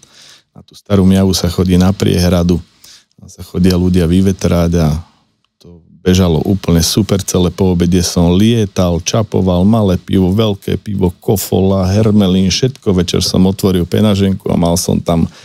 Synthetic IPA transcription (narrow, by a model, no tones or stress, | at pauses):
nat̪u̥ːst̪aɾuːmɪaʋusaxɔɟiːnapɾɪ̰ɛ̰ɦɾad̪u | asaxɔɟɪaluɟɪaʋiʋɛt̪ɾaɟa | t̪ɔ | bɛʒalɔ̰ʔuːpl̩ɲɛsupɛɾt͡sɛlɛpɔːbɛɟɛsɔmlɪɛt̪alt͡ʃapɔ̰ʋalmalɛːpiʋɔʋɛlkɛ̰ːpiʋɔkɔfɔ̰laɦɛɾmɛlinʃɛt̪kɔʋɛt͡ʃɛ̰ɾsɔ̰mɔt̪ʋɔɾilpɛ̰naʒɛŋkua̰malsɔ̰mt̪am